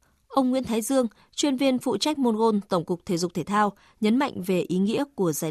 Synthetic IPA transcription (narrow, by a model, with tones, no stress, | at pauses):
ʔə˧wŋ͡mŋwi˧˥nt̪ʰːjzɨ˧əŋ | t͡ɕwi˧ənvi˧ənfṵ˧˨t͡ɕa˦˥jk̟̚mo˧nɣo˧nt̪ə˧˩wŋ͡mkʊ˨˩k͡p̚t̪ʰe˧˩zʊ˨˩k͡p̚t̪ʰe˧˩t̪ʰaː˧w | ɲə˨˦nma̰˧˨jŋ̟ve˨˩ʔi˨˦ŋḭ˧˥əku˧˩əzaː˧˩